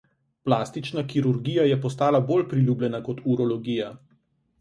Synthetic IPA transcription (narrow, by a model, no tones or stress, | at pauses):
plaːst̪it͡ʃnakiɾuɾɡijajɛpɔs̬t̪aːlaboːlpɾilʲjublʲɛnakɔt̪ʰuɾɔlɔɡiːja